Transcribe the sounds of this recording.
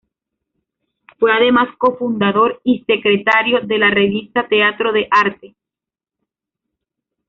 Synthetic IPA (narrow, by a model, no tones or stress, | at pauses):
fwe̞aðe̞masko̞fund̪aðo̞ɾise̞kɾe̞t̪aɾjo̞ðe̞lare̞βist̪at̪e̞at̪ɾo̞ðe̞ʔaɾt̪e